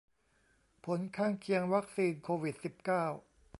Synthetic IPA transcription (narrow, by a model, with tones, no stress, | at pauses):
pʰo˩˦nkʰaː˥˩ŋkʰi˧əŋwa˦˥k̚siː˧nkʰoː˧wi˨˩t̪̚si˨˩p̚kaː˥˩w